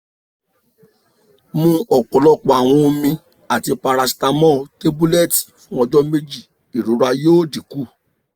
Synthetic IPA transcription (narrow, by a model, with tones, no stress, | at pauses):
mũ˧˦ɔ˨kɔ˨˦lɔ˦k͡pɔ˨a˨w̃ɔ̃˧o˧mĩ˧ | a˨ti˧pa˧ɾa˧si̥˧ta˧mɔ̃˦˨te˦bu˦lɛ˦˨ti̥˨fũ˦ɔ˧d͡ʒɔ˦me˦d͡ʒi˦˨ | i˨ɾu˨˦ɾa˧joː˦˨di˨ku˦˨